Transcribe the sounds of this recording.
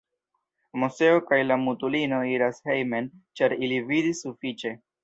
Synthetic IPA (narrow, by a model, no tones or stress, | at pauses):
muse̞okajlamutulino̞iɾashejme̞nt͡ʃaɾilividisufit͡ʃe̞